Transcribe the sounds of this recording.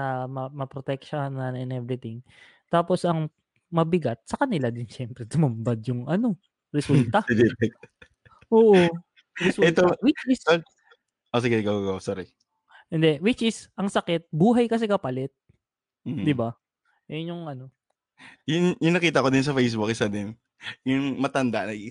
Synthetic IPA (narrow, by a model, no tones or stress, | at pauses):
nɐmɐmɐpɾot̪ɛk̚ʃonɐnɛnʔɛbɾɪt̪ɪŋ | t̪aːpo̞sɐŋ | mɐbɪɡat̪̚sɐkɐnɪlad̪ɪnʃɛmpɾɛd̪ʊmɐmbɐd̪jʊŋʔɐno̞ | ɾɛsult̪ɐd̪ɪɾɛk̪̚ | ʔoːʔo | ɾɛsuɛt̪owɪt͡ʃɪs | ʔos̬ɪɡɛɡaɡaɡɐwasoɾi | hɪnd̪ɛwɪt͡ʃʔɪsʔɐŋsɐkɛt̪̚buːɦɐjkɐs̬ɪkɐpɐlɛt̪̚ː | d̪ɪba | ʔɛnʊŋʔɐno̞ | jʊŋjʊŋnɐkiːt̪ɐkod̪ɪns̬ɐfejs̬bʊk̚ɪsɐd̪ɪn | jʊŋmɐt̪ɐnd̪aʔnɐɡ